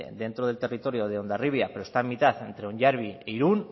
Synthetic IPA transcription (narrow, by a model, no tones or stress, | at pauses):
d̪e̞nt̪ɾoð̞e̞lt̪e̞rit̪o̞ɾjo̞ð̞eo̞nd̪ariβjapeɾost̪amːit̪aθe̞nt̪ɾeoɲʝaɾβ̞ieiɾun